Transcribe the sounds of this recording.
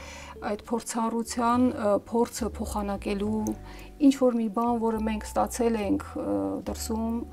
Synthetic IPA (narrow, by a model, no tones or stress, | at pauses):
ɑjd̪pʰɔɾt͡sʰɑrut͡sʰjɑnpʰɔɾt͡sʰəpʰɔχɑnɑkɛlu | int͡ʃʰvɔɾmibɑnvɔɾəmɛŋkʰst̪ɑt͡sʰɛlɛŋkʰd̪əɾsum